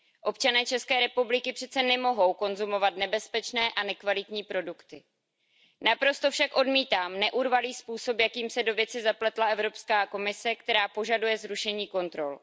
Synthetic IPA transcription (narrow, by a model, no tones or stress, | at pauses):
ʔo̞pt͡ʃanɛːt͡ʃɛskɛːɾɛpublɪkɪpr̝̥ɛt̪t͡sɛnɛmo̞ɦo̞wko̞nzumo̞vat̪nɛbɛspɛt͡ʃnɛːʔanɛkvalɪt̪ɲiːpɾo̞dukt̪ɪ | napɾo̞st̪o̞fʃakʔo̞dmiːt̪aːmnɛʔuɾvaliːspuːso̞pjakiːmsɛdo̞vjɛt͡sɪzaplɛt̪laɛvɾo̞pskaːko̞mɪsɛkt̪ɛɾaːpo̞ʒadujɛzɾuʃɛɲiːko̞nt̪ɾo̞̰l